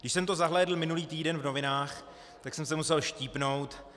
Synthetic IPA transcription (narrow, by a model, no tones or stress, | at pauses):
ɡdɪʃsɛmt̪ozaɦlɛːdl̩mɪnuliːt̪iːdɛnvno̞vɪnaːx | t̪aksɛmsɛmusɛlʃciːpno̞wt̪